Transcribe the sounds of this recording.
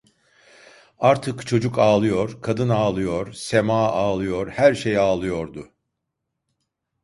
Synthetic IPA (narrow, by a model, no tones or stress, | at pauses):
aɾt̪ʰɯkt͡ʃʰo̞d͡ʒukaːlˠɯjo̞ɾkʰad̪ɯnaːlˠɯjo̞ɾse̞maːaːlˠɯjo̞ɾhæɾʃejaːlˠɯjo̞ɾd̪ʊ